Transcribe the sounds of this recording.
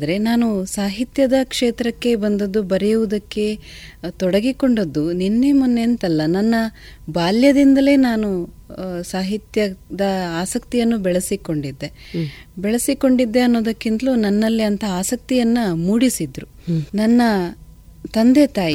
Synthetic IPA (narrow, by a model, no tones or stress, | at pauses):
d̪ɐɾe̞naːnusaːɦit̪jɐd̪ɐkʂeːt̪ɾɐkːe̞bɐnd̪ɐd̪ːubɐɾɛjuʋud̪ɐkːe̞ | t̪ɔɽɐɡiko̞ɳɖod̪ːunenːe̞munːent̪ɐlːɐnɐnːɐbaːljɐd̪ind̪ɐle̞ːnaːnu | saːɦit̪jɐd̪ɐaːsɐkt̪ijɐnːubɛɭɐsiko̞ɳɖid̪ːe̞bɛɭɐsiko̞ɳɖid̪ːe̞ɐnːo̞ːd̪ɐkːind̪ɐlunɐnːɐlːiɐnt̪ʰɐaːsɐk̚t̪ijɐnːɐmuːɽisid̪ɾu | nɐnːɐ | t̪ɐnd̪e̞t̪aːji